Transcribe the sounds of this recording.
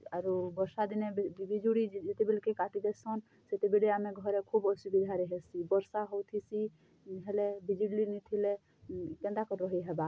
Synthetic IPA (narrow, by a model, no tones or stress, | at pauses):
aɾubɔɾsad̪inebid͡ʒuɽid͡ʒet̪ebelkekaʈid̪ɛsɔn | set̪ebeliameɡʱɔɾɛkʰubɔsubid̪ʱaɾiɦɛsibəɾsaɦowt̪ʰisi | ɦelɛbid͡ʒiɽlinit̪ʰile | kɛ̃nd̪akɔɾɾɔɦiɦɛba